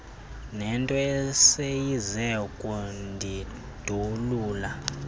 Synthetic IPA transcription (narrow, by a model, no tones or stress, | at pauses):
nɛntʼɔɛsejizɛkʼundʱi | d̥ʱuluːla